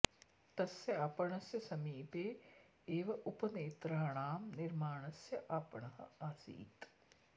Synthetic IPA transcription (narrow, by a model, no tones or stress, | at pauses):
t̪ɐsjɐɐpɐɳɐsjɐsɐmiːpeː | eːʋɐʔupɐneːt̪ɾɐɦɐɳaːmniɾmaːɳɐsjɐʔapɐɳɐhɐ̰aːsḭːt̪